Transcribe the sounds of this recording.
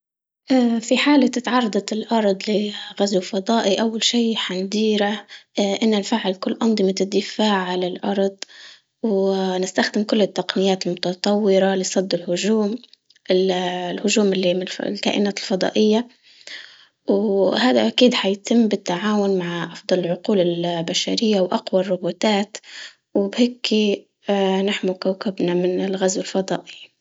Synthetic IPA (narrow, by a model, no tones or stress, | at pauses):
ʔafiħaːlat̪ɪt̪ʕɑrˤːɑd̪ˤɑt̪ɪlʔɑɾˤd̪ˤlɪɣazwfɑd̪ˤɑːʔiʔawːalʃiːħand̪iːɾaʔɪnːalfaʕɪlkʊlːʔɑnd̪ˤɨmaɪd̪ːɪfaːʕʕalɪlʔɑɾˤd̪ˤ | wnɪst̪axd̪ɪmkʊlːɪt̪ːaqnɪjaːt̪ɪlmʊt̪ɑt̪ˤɑwːɪɾalɪsˤɑd̪ːɪlhʊʒuːm | ɪlhʊʒuːmɪlːimlka̰ːʔɪnaːt̪ɪlfɑd̪ˤɑ̰ːʔɪjːa | whaːd̪aʔakiːd̪ħajt̪ɪmːbɪt̪ːaʕaːwʊnmaʕʔɑfd̪ˤɑlɪlʕʊquːlɪlbaʃaɾɪjːawʔɑqwɑrˤːʊbuːt̪aːt̪ | wɪbheːkːi | naħmʊkawkɪbnamɪnɪlɣazwɪlfɑd̪ˤɑ̰ːʔɪi